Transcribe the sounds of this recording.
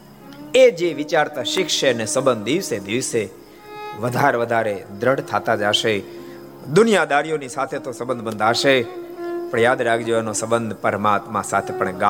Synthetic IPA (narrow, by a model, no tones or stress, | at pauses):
ed͡ʒeʋɪt͡ʃaɾt̪aʃɪkʃenesəbənd̪̚d̪iʋsed̪iʋse | ʋəd̪ʱaɾʋəd̪ʱaɾed̪ɾəɽt̪ʰat̪ad͡ʒaʃe | d̪ʊnijad̪aɾijonisat̪ʰet̪osəbə̃nd̪ʱbənd̪ʱaʃe | pəɽjad̪ɾaɡd͡ʒeʋanosəbənd̪ʱpəɾmat̪mãsat̪ʰepəɳɡa